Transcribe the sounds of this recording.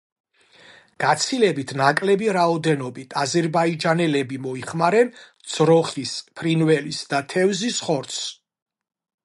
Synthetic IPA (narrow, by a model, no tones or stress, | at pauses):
ɡ̥at̪sʰilɛbit̪ʰnakʼlɛbiɾaɔd̪ɛnɔbit̪ʰazɛɾbaid͡ʒanɛlɛbimɔiχmaɾɛnd̪z̥ɾɔχispʰɾinvɛlisd̪at̪ʰɛvzisχɔɾt̪s